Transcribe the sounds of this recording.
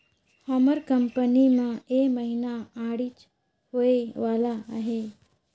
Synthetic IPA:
hɔməɾkəmpənimãeməɦinaaɽit͡ʃ | hoeʋaːlaɦe

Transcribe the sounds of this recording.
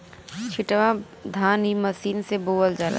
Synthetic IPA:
t͡ʃʰɪʈʋa | d̪ʱaːnɦimɐsiːnseboːəld͡ʒaɾa̰

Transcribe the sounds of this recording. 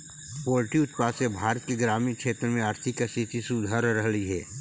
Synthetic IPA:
poːlʈiʊt̪paːsebʱaːɾət̪keɡɾaːmiːnkʃeːt̪ɾmẽaːɾt̪ʰɪkːst̪ʰit̪isʊd̪ʱaːɾːəɦliɦɛ̰ː

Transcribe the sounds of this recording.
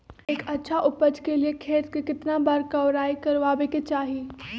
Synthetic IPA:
eːkɐtːʃʰaʔʊpəd͡ʒkeliekʰeːt̪̚kekɪt̪nabaɾkɐʋɾaːikɐɾʋaːbeket͡ʃaːɦi

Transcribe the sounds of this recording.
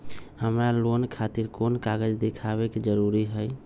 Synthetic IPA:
həmɾalonkʰat̪iɾkonkaɡəd͡ʒd̪ekʰaβeked͡ʒəɾuɾiɦəj

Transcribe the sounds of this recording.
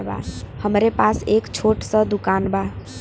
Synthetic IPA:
ba̰həmɾepasekt͡ʃʰoʈsə̃d̪ukanba

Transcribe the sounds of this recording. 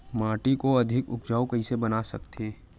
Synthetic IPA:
mãːʈikoɐd̪ʱɪkʊ̰kd͡ʒaːokɐɦisebɐnasɐkt̪ʰeː

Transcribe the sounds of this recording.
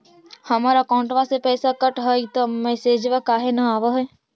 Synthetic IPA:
hɐmaːɾakaːʊ̃ɳʈʋasepɛːsakɐʈɦəit̪omɛːseːd͡ʒʋakaːɦenaaːʋaɦɛː

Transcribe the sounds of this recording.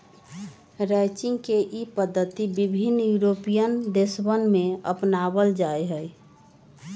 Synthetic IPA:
ɾɛt͡ʃɪ̃ŋɡkeʔipəd̪ʱːət̪ibibʱinːjuɾopijənd̪esbənmẽə̰pnabəld͡ʒaeɦəj

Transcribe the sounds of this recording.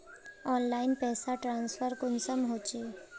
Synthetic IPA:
ɔːnlaːɪnpɛːsaʈɾãːnsfʰəɾkʊnsəmɦoːt͡ʃeː

